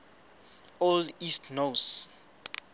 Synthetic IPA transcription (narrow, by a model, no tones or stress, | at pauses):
oldistʰnos